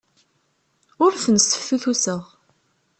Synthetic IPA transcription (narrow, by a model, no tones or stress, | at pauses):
ʊɾθənst̪ə̥fːuθusəʁ